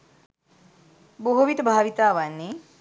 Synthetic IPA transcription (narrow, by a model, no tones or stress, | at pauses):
boɦoʋit̪əbʱaːʋit̪aːʋanːe